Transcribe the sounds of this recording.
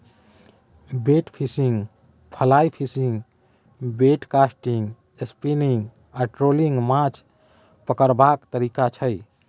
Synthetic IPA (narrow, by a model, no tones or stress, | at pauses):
beʈpʰisiŋɡ | pʰəlaipʰisiŋɡ | beʈkasʈiŋɡ | espiniŋɡ | aʈɾoliŋɡmãt͡ʃʰ | pəkəɾbakt̪əɾikat͡ʃʰəj